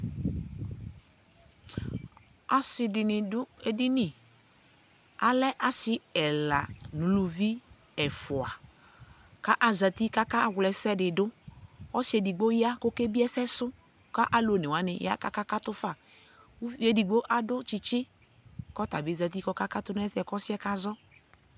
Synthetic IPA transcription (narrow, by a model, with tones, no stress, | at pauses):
a˨sɪ˨dɪ˨nɪ˨dʊ˦e˨dɪ˦nɪ˨ | a˨lɛ˦ʔa˨sɪ˦ɛ˨la̰˨nũ˨˦lu˨vi˦ | ɛ˨fʊ˨a˨ | ka˦ʔa˨za˨t̪i˦ka˦ka˦˨wlɛ˨sɛ˦dɪ˨dʊ˦ɔ˦sɪ˦ɛ˨dɪ˨ɡ͡bo˦ja˦ko˦ke˦bi˦ɛ˦sɛ˦sʊ˦ | ka˦ʔa˨lo˨nɪ˨wa˨nɪ̰˨ja̰˦ka˦ka˦ka˦tʊ˦fa˨˦ | e˦di˨ɡ͡bo˦ʔa˨dʊ˦t͡ʃɪ˦t͡ʃɪ˦ | kɔ˦ta˨bi˨˦za˨t̬i˦kɔ˦ka˦ka˦tʊ˦n˦ɛ˦tɛ˨kɔ˦sɪ˦ɛ˦ka˦zɔ˦